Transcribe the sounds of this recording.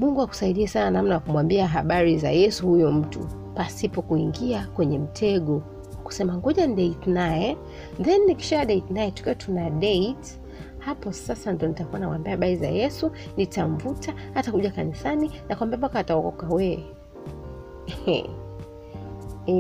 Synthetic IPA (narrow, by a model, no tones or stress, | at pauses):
muŋɡuaku̥saiɗiɛsananamnawakumwambiaɦaɓaɾiza̰jɛsuhujɔm̩tṵ | pasipɔkuiŋɡiakwɛɲɛm̩tʰɛɠɔ | ku̥sɛmaŋɡɔʄaniɗɛitnajɛ | ðɛnːiki̥ʃaɗɛitnajɛtu̥kiɔtʰunaɗɛit | hapɔsasandɔnitakuwanamwambiahaɓaɾiza̰jɛsu | nitaɱ̩vutahatakuʄakanisaninakuwambiampakaːtaɔkɔ̰kawɛ | ɛɛ̰